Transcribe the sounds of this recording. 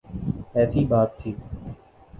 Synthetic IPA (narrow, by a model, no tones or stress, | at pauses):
ɛːsiːbaːt̪ʰːiː